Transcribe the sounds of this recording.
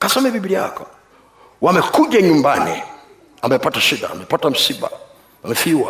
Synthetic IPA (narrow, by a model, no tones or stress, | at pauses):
kasɛmɛbibiɾia̰kɔ | wamɛkuʄaɲumbanḭ | amɛpataʃiɗa̰ːmɛpatam̩siɓa̰ | amɛfiwa̰